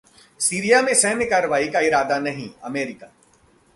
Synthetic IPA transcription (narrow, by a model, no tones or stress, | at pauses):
siːɾijamẽsɛɦnekaːɾəʋaːikaɪɾaːd̪anɐɦḭ̃ɐ̰meːɾɪka